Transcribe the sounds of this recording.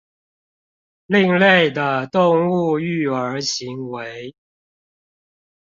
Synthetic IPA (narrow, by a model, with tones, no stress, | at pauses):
li˥˧ŋle˥˩ɪd̪ə˩t̪ʊ˥˧ŋu˥˧y˥˩ə˞˧˥ɕi˧˥ŋwe˧˥ɪ